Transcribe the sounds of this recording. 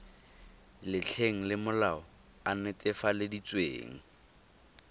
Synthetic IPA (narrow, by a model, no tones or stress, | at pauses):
lɪt͡ɬʰeŋ̩lɪmʊlaɔ | anetʼɪfalɪdit͡sʼwḛːŋ̩